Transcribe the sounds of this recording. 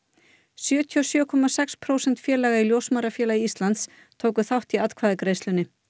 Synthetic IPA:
sjœːt̪ʰiɔsjœːkʰɔmasɛkspʰɾoːwsɛnt̪fjɛːɾlɛːɣailjowsmaɾafjɛːlaiist̪lant̪s | t̪ʰoːwkʏθawht̪iat̪kʰvaːðɪkɾejslʏnːɪ

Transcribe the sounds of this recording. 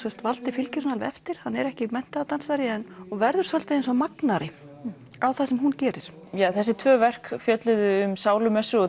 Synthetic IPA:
sɛst̪valt̪ɪfɪlcɪɾnalvɛft̪ɪɾ̥hanːɛɾɛhcɪmɛn̥t̪at̪ansaɾɪɛnɔɣvɛɾðʏɾsœlt̪aɪnsɔmaknaɾɪ | awθasɛmɦuncɛːɾɪɾ̥ | jaːθɛsːɪt̪ʰvœːvɛr̥kfjœt̪lʏðʏʏmsaːwlʏmɛsːʏɔ

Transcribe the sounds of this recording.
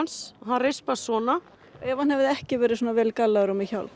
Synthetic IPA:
nsɦanrejspasvɔːna | aɛvanhɛvɪðɛhcɪvɛːɾɪðsuːnavɛːlkalːaðʏɾɔmɪçawl

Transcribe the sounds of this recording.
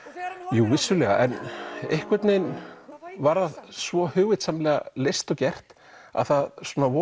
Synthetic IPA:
juːvɪsːʏlɛɣaʔɛnehkvɛt̪nejn | vaɾaðsvɔhʏːɣvɪt̪samlɛːɣa̰lejst̪ɔcɛr̥t̪ | a̰ðθaðsuːnavɔ

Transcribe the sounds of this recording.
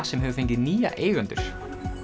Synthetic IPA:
sɛmɦɛvʏfeɲcɪðniːja̰ʔeːjɣʏnt̪ʏɾ̥

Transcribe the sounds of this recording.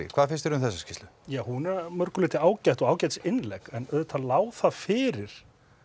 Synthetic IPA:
kʰvaːðfɪɾ̥st̪ɪɾʏmθɛsːascɪst̪lʏjaːhunamœɾkʏlɪːt̪ɪaːwcajht̪ɔɣaːwcajt̪sɪnlɛkɛnœðʏt̪ʰalaːwθafɪːɾɪɾ̥

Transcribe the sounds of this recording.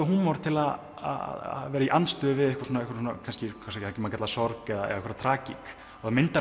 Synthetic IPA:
ɦunmawɾ̥t̪ʰɪlað | a̰ða̰ðvɛːɾaiʔanst̪œːvɪðɛhkvḁɾsonaɛhkvḁɾs̬unakʰanscɪkʰasaakcmaːkcɛt̪lsɔɾkɛðaɛ̰ðaɛkvɛɾat̪ʰɾaːcik | aðamɪnt̪a

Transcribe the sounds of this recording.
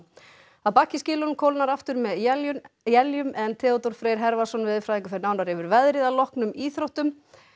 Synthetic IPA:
aðpaːcɪscɪːlʏnmkʰowlnaɾaft̪ʏɾmɛðjɛljʏmʔɛnt̪ʰɛːɔt̪ɔɾ̥fɾeːɾ̥ɦɛɾvasɔnvɪðfɾaːðiŋkʏfɛɾnaːwnaɾɪvʏɾvɛðɾɪðalɔhknʏmiːθɾowht̪ʏm

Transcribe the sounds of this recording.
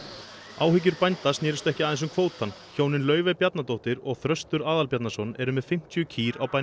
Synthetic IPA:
a̰ːwhɪc̬ʏɾpajnt̪asnɪːɾɪst̪ɛhcɪaːðɪns̬ʏmkʰvoːwt̪ʰanːçoːwnɪnlœːɥvɛpjat̪nat̪owht̪ɪɾɔɣθɾœst̪ʏɾaːðalpjat̪nasɔnɛɾʏmɛðfɪm̥t̪ʰjʏcʰiːɾawpa

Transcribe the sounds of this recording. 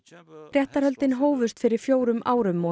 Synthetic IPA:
rjɛht̪aɾhœlt̪ɪnɦoːwvʏst̪fɪɾɪɾ̥fjoːwɾʏmʔaːwɾʏmːɔ

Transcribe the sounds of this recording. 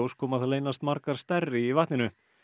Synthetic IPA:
owskʰɔːmaðθaleːjnast̪maɾkaɾ̥st̪ɛrːɪivaht̪nɪnʏ

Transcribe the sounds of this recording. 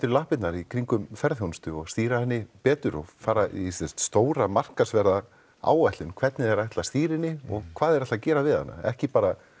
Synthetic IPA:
t̪ʏɾlahpɪt̪naɾikʰɾiŋkʏmfɛɾðhjownst̪ʏɔɣst̪iːɾahɛnːɪpɛːt̪ʏɾɔɣfaːɾaʔisɛst̪st̪oːwɾamar̥kasvɛɾða | a̰ːwajht̪lʏnkʰvɛt̪nɪðɛɾajht̪last̪iːɾɪnːɪɔɣkʰvaːðɛɾat̪acɛːɾavɪða̰nːa̰ɛ̰hcɪpaːɾa

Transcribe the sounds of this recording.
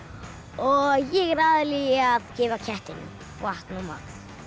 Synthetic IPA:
ɔɣjɛɣɾaːðɪliɣaðcɪːvacʰɛht̪ɪnɪ̰ | waht̪numa̰ːkð

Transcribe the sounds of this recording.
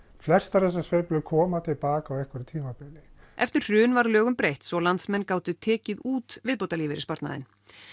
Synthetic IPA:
flɛr̥st̪aɾθɛs̬ːasveːplʏkʰɔːmat̪ʰɪlpaːkawɛhkvɛɾɪt̪ʰiːmapɪlɪʔɛft̪ɪr̥r̥ʏːnvaɾlœːɣʏmpɾejht̪sɔlant̪smɛnːkaːwt̪ʏt̪ʰɛːcɪðuːt̪vɪðpowt̪aliːvɪɾɪ̥spaɾt̪na̰ðɪ̰n

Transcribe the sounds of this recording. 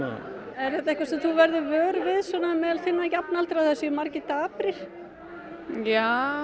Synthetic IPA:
ɛɾθɛht̪aɛhkvasɛmθuvɛɾðɪvœːɾvɪðsɔnamɛːðalθɪnːacapnalt̪ɾawθɛsːʏmaɾcɪt̪aːpɾɪɾ̥ | ja

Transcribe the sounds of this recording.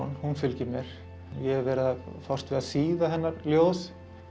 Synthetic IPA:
nhunfʏlcɪmjɛɾ̥ | jɛɾvɛːɾɪðafɔwr̥t̪vɪðasiːðahɛnːaɾljoːws

